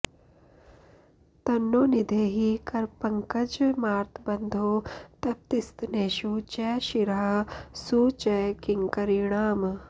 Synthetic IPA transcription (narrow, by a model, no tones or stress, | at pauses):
t̪ɐnːoːnid̪ʱeːɦikɐɾpɐŋkɐd͡ʒmaːɾt̪ʰbɐnd̪ʱoːt̪ɐb̚t̪ist̪neːʃuːt͡ʃɛːʃiɾɦɐsuːt͡ʃɛːkiŋkɐɾiɳaːm